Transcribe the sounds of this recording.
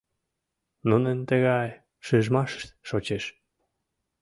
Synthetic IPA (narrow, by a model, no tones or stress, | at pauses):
nunənt̪əɣɑj | ʃɨʒmɑʃə̥ʃt̪ʃot͡ɕeʃ